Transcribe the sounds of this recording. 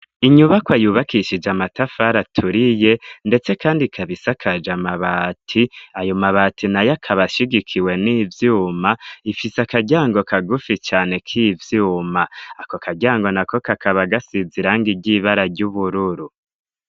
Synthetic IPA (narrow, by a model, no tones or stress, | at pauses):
iɲuβakwajuβakiʃid͡ʒamatafaɾatʰuɾije̞nde̞t͡se̞kaːndikʰaβisakʰad͡ʒamaβatʰiajo̞maβaːtinajakʰaβaʃiɡikʰiwe̞niːvjuːmaifiseakaɟaːŋɡo̞kaɡufit͡ʃaːne̞kʰivjuːmaːkokʰaɟaːŋɡo̞nako̞kakʰaβaɡasiziɾaːŋɡiɟiːβaɾaɾɟuβuɾuɾu